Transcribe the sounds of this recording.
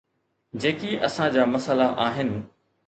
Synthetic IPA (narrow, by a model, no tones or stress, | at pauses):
d͡ʑeːkiʔɐsãd͡ʑaːmɐsəlaʔaːɦɪnɪ̆